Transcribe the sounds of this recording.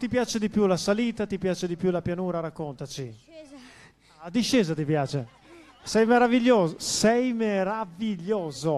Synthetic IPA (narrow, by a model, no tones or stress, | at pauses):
t̪ipjaːt͡ʃed̪ipjulasaliːt̪at̪ipjaːt͡ʃed̪ipjulapjanuːɾaɾakːont̪at͡ʃi | ad̪iʃːɛːzat̪ipjaːt͡ʃe | sɛjmeɾaviʎːoːzosɛjmeɾaviʎːoːzo